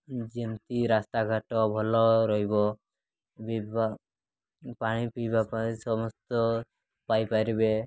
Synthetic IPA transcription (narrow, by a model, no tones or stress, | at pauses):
d͡ʒimt̪iɾast̪aɡʱaʈɔbʱɔlɔɾɔɦibɔ | biba | paɽ̃ipijbapasɔmɔst̪ɔ | pajpaɾibe